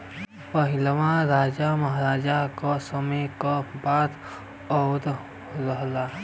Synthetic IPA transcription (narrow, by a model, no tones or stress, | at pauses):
pəɦɪlʋãɾaːd͡ʒaməɦɾaːd͡ʒakasəməjkabaːd̪ | ɔʊd̪ | ɾəɦla